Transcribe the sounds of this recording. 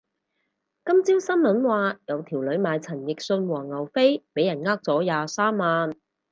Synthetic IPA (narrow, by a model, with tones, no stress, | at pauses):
kɐ˥mt͡siː˥wsɐ˥nmɐ˨˥nwaː˨jɐ˨˧wt̪ʰiː˨˩wlɵ˨˧ɥmaː˨˧jt͡sʰɐ˨˩njɪ˨k̚sɵ˧nwɔː˨˩ŋɐ˨˩wfe˥jpe˨˥jɐ˨˩nŋaː˥k̚t͡sɔː˨˥jaː˨˧saː˥mːaː˨˧n